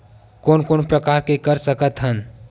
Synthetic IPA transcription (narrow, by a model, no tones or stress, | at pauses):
koːnkoːnpɾəkaːɾkekəɾsəkət̪ɦən